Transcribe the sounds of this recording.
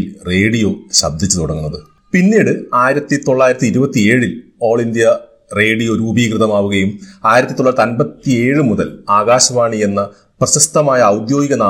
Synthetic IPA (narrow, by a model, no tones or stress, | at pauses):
lre̞ːɽijo̞ːɕɐ̰b̚d̪ʱit͡ɕːut̪uɽɐŋːunːɐðɨ | pinːiːɽɨaːjiɾɐt̪ːit̪o̞ɭːaːjiɾɐt̪ːiɾubɐt̪ːie̞ːɻilo̞ːɭind̪jɐ | re̞ːɽijo̞ɾuːbijkrɨðɐmaːʋuɣɐjumaːjiɾɐt̪ːit̪o̞ɭːɐɾɐt̪ːɐnbɐt̪ːie̞ːɻɨmuðɐlaːɣaːɕɐʋaːɳienːɐ | prɐɕɐst̪ɐmaːjɐːwd̪jo̞ːɡiɣɐnaː